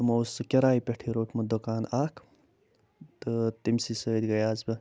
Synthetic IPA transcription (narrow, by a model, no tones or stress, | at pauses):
mɐwsɨkʲeɾaːipʲeʈʰiɾoːʈʰmɐd̪okaːnaːkʰ | t̪ɨt̪imsisɐːd̪ʲɡɐjaːzbɐ